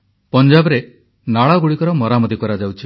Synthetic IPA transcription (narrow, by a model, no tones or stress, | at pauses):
pɔnd͡ʒabɔɾe | naɭɔɡuɽikɔɾɔmɔɾamɔd̪ikɔɾad͡ʒawt͡ʃʰi